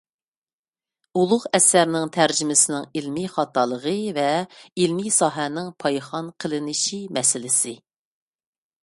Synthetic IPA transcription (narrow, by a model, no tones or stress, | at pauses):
ulˠʊqɛsæɾnɪŋt̪ʰæɾd͡ʒɪmɪsɪnɪŋilmiχɑt̪ʰɑlˠəʁəvɛilmisɑːɦɛnɪŋpʰɑjχɑnqʰəlˠɪnɪʃimɛsɪlɪsɪ